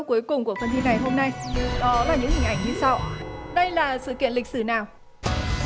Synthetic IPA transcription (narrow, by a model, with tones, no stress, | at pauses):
ku˨˦əjkʊ˨˩ŋ͡mku˧˩əfə˧nt̪ʰi˧na˨˩jɦo˧mna˧jɗɔ˨˦laː˨˩ɲɨ̰˧˥ŋhi˨˩ŋ̟ʔa˧˩jŋɲɨ˧sa˧wɗə˧jlaː˨˩sɨ̰˧˨kḭ˧˨ənli˨˩k̟̚sɨ˧˩naː˨˩w